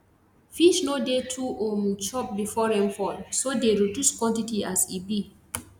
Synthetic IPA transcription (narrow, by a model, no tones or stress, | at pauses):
fiʃnodetʰuʔomt͡ʃɔp̚bifɔɾɛ̃mfɔlsodeɹeduskwɔ̃ntitiasibi